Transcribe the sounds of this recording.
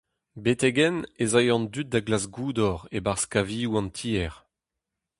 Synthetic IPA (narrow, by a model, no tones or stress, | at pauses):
bet̪ɛɡɛnezajɑ̃nd̪yt̚d̪aɡlasɡuːd̪ɔʁebaʁskaviːuɑ̃nt̪ʰiːɛʁ